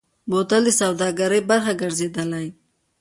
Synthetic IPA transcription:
bot̪ald̪əsawd̪ɑɡaɾəjbaɾxaɡəɾzed̪əlaj

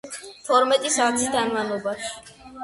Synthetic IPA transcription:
t̪ʰɔɾmɛt̪ʼisaːt̪ʰisd̪anmanɔbaʃi̥

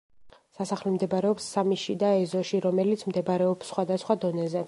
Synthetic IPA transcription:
sasaχlɛmd̪ɛbaɾɛɔpsːamiʃid̪aɛzɔʃiɾɔmɛlit̪sʰmd̪ɛbaɾɛɔpsːχwad̪asχwad̪ɔnɛzɛ

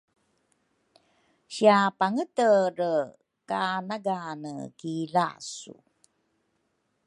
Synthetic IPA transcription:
ɕiapaŋətəɾə | kanaɡanə̰kila̰sṵ

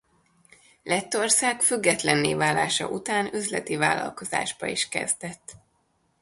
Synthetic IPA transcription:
lɛt̪ːo̞rsaːkfyɡːɛt̪lɛnːeːvaːlːaːʃɒ̰ʔut̪aːnøzlɛ̰t̪ivaːlːɒ̰lko̞za̰ːʒbɒiʃkɛ̰zd̪ɛt̪ː

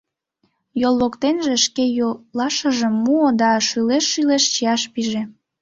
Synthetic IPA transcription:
jolˠːokt̪enʒeʃkejolɑʃəʒəmːuod̪ɑʃyleʃːyleʃt͡ɕijɑʃpiʒe

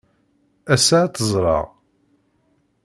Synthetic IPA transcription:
æsat̪əzˤɾˤɑ̰ʁ

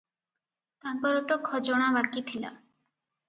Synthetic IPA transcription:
t̪ãkɔɾɔt̪ɔkʰɔd͡ʒɔɽ̃abakit̪ʰila̰

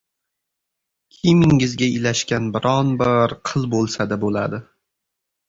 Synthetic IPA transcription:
kʲʰimɪŋɪzɡʲaɪlaʃkʲanbɪɾʔɒnbɪɾqʰɨlˠbolˠsad̪abola̰d̪ɪ

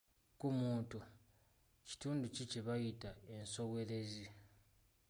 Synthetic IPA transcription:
kumuːntu | ci̥tuːnduciceβajitae̞nso̞we̞ɾe̞zi

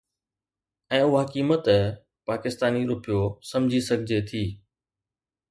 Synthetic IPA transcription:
ɛ̃ːʊɦakiːmət̪ | paːkɪst̪aːniɾʊpɪjosɐ̃md͡ʑʱisɐɡʱɪd͡ʑʱet̪ʰiː

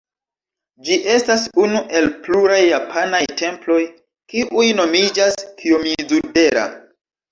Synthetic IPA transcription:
d͡ʒiʔe̞stasunuʔe̞lpluɾajːapʰanajte̞mplo̞j | kiʔujno̞mid͡ʒaskʰiomizude̞ɾa̰

